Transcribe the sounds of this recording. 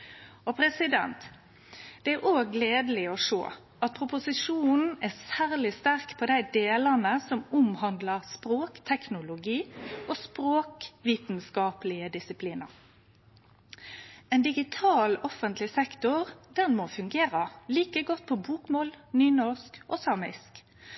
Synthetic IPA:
ɔpʰɾɛsɪd̪ɛ̰nt̪ | d̪̥ɛæɾʔoːɡleːd̪əlɪɔʂo̰ː | ʔɑt̪̚pʰʊpʊsɪʂuːnn̩æsæːɾlɪst̪æʁkpʰɔd̪æɪd̪eːlənəsɔmʊmhɑnd̪ləʁspɾoːkt̪ʰɛknʊlʊɡiːʔoːspɾoːkʋiːt̪nskɑːplɪəd̪ɪsɪpʰliːnə̰ʁ | ɛnd̪ɪɡɪt̪ʰɑːlɔfənt̪ʰlɪsɛkt̪ʊʁd̪ɛnmofʉŋɡeːɾəliːkəɡɔt̪̚ːpʰɔbuːkmoːlnyːnɔʁskʔɔsɑːmɪ̰sk

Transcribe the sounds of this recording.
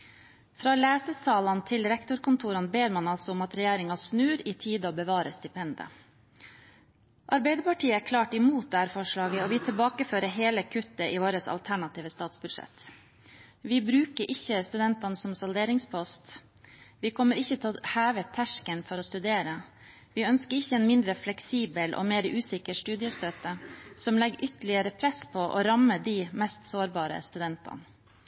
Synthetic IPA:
fɾɑːlæːsəsɑːlɑnt̪ʰɪlɾɛkt̪ʊɾkʊnt̪ʰuːɾɑnbeːɾmɑnɑlsɔʊmɑt̪ɾɛjeːɾɪŋɑsnʉːɾiːt̪ʰiːd̪oːbəʋɑːɾəst̪ɪpʰɛnd̪ə̰ | ʔɑɾbæɪd̪əpɑʈʰiːəækʰlɑːʈɪmuːt̪̚d̪ɛhæːɾfɔʂɭɑːɡəoːʋɪːt̪ʰɪlbɑːkəføːɾəɦeːləkʰʉt̪ːəʔiːʋoːɾəsɑ̰lt̪ʰæɳɑt̪ʰiːʋəst̪ɑːt̪sbʉd̪ʂɛ̰t̪ | ʋɪbɾʉːkəɾʔɪçːəst̪ʉd̪ɛnt̪ɑnəsɔmsɑld̪eːɾɪŋspʰɔst̪ | ʋɪkʰɔmːəɾɪçːət̪ʰɛɔhæːʋət̪ʰæʂkənfɔɾɔst̪ʉd̪eːɾə | ʋɪœnskəɾɪçːəɛnmɪnd̪ɾəflɛksiːbəlʔɔ̰meːɾʔʉːsɪkəʂt̪ʉːd̪ɪəst̪øːt̪əsɔmlɛɡʏt̪əlɪəɾəpʰɾɛspʰɔʔɔ̰ɾɑməd̪imɛst̪soːɾbɑːɾə̰st̪ʉd̪ɛnt̪ʰɑ̰n

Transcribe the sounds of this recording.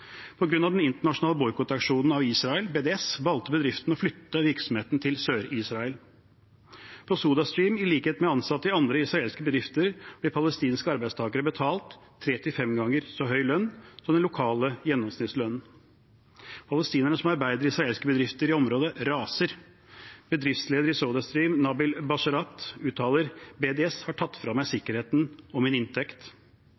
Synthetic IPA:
pʰɔɡɾʉnɑʋd̪ɛnɪnt̪əɳɑʂʊnɑːləbɔʏkʊt̪ɑkʂuːnn̩ɑʋiːsɾɑəlbeːd̪ɛɛsʋɑlt̪əbəd̪ɾɪft̪n̩ɔflʏt̪ːəʋɪɾksɔmheːt̪nt̪ʰɪlsøːɾiːsɾɑəl | pʰɔsuːd̪ɑst̪ɾiːmɪliːkheːt̪mɛɑnsɑt̪ːɪɑnd̪ɾəɪsɾɑeːlskəbəd̪ɾɪft̪əɾb̥lɛpʰɑləst̪iːnskəɑɾbæɪst̪ʰɑːɡəɾəbət̪ʰɑːlt̪ʰː | ɾeːt̪ɪfɛmɡɑŋəɾsɔɦœʏlœnːsɔmd̪ɛnʊkʰɑːləjɛnːɔmsnɪt̪slœnn̩ | pʰɑləst̪iːnəɳəsɔmɑɾbæɪd̪əɾɪsɾɑeːlskəbəd̪ɾɪft̪əɾɪɔmɾoːd̪əɾɑːsəɾ | b̥əd̪ɾɪft̪sleːd̪əɾɪsoːd̪ɑst̪ɾiːmnɑːbɪlbɑʂɑɾɑt̪ʉːt̪ʰːɑːləɾbeːd̪ɛshɑʈʰɑt̪ːfɾɑmːæɪsɪkːəɾheːt̪nɔmɪnɪnt̪ʰɛkt̪

